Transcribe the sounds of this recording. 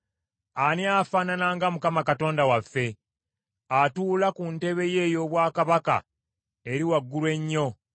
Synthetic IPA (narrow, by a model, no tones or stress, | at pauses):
aneafaːnanaŋɡamukamakato̞ːndawafːe̞ | atuːlakunte̞βe̞je̞jo̞βwaːkaβaka̰ | e̞ɾiwaɡːulwe̞ɲːo̞